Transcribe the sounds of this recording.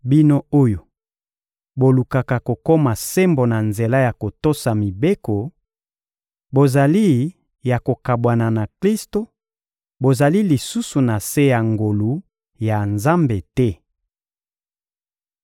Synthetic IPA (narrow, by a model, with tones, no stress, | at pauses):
bi˦no˦o˦jo˨ | bo˨lu˨ka˨ka˨ko˨ko˦ma˨se˦mbo˨na˨nze˨la˦ja˨ko˨to˦sa˨mi˨be˦ko˨ | bo˨za˨li˦ | ja˨ko˨ka˨bwa˨na˨na˨kli˦sto˨ | bo˨za˨li˦li˨su˦su˨na˨se˦ja˨ŋɡo˨lu˨ | ja˨nza˦mbe˨tɛ˦